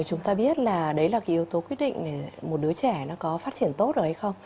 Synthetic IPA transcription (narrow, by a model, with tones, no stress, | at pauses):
jt͡ɕʊ˨˦ŋ͡mt̪aː˧ɓi˦˥ət̚laː˨˩ɗə˨˦jlaː˨˩kaː˨˥ʔi˧ə˧wt̪o˨˦kwi˦˥ət̚ɗḭ˧˨ŋ̟ɗe˧˩mo˨˩t̚ɗɨ˨˦ət͡ɕɛ˧˩nɔ˨˦kɔ˨˦faː˦˥t̚t͡ɕi˧˩ənt̪o˦˥t̚zo˨˩ha˨˦jxə˧wŋ͡m